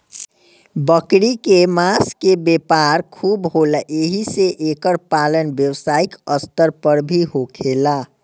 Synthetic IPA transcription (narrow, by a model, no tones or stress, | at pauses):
bəkɽikemaskebepaɾkʰubɦolaʔeɦiseʔekəɾpalənbjəwsaikəst̪əɾpəɾbʱiɦokʰela